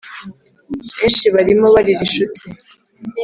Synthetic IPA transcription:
βeːnʃiβaɾimo̞βaɾiɾiʃutʰi

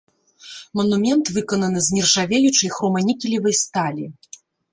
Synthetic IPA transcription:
mɐnumʲɛnt̪vɨkɔnɐnɨzʲnʲirʐavʲejut͡ʂɨjxɾɔmɐnʲikʲilʲivɐjst̪alʲi

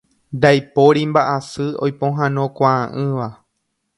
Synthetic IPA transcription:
nd̪ajpoɾimbaʔasɨojpõɦãnõ̞kʷaãʔɨ̃ʋa

